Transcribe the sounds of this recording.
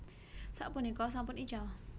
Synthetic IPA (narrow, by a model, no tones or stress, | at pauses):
saʔpʊnikɔs̬ampʊnid͡ʒal